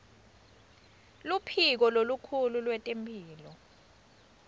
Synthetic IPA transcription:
lupʰik̬ɔlolukʰululwɛtʼempʰʼiːlɔ

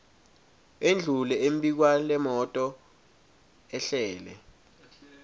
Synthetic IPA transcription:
end͡ɮʱulɛemɓik̬walɛmɔtʼɔ | ɛɬɛːlɛ̰

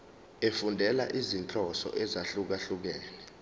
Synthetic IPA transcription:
efundʱɛla̰ʔizint͡ɬʼɔsɔ̰ʔɛzaɬuk̬aɬuk̬ɛːlɛ

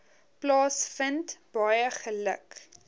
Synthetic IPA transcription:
plɑːsfəntb̥ɐjəχələ̰k

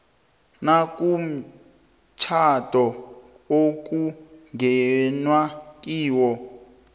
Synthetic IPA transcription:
nakʼum̩ | t͡ʃʰatʼɔ | ok̬ʼuŋɡɛnwak̬ʼiːwɔ

